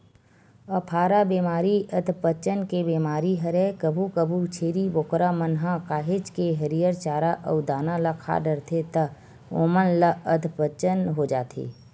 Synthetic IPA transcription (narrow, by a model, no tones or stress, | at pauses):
əpʰaːɾabeːmaːɾiəd̪ʱpət͡ʃənkebeːmaːɾiɦəɾɛkəbʱukəbʱut͡ʃʰeːɾiboːkɾamənɦãkaːɦed͡ʒkeɦəɾijəɾt͡ʃaːɾaʔə̰wd̪aːnalakʰa̰ɖəɾt̪ʰet̪ə | oːmənlaəd̪ʱpət͡ʃənɦod͡ʒaːt̪ʰḛː